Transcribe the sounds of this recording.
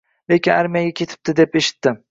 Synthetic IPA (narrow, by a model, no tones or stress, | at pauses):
lekʲɪnaɾmijaɡʲakʲʰe̞t̪ʰɪ̥p̚t̪ɪd̪e̞pe̞ʃɪ̥t̪ːɪ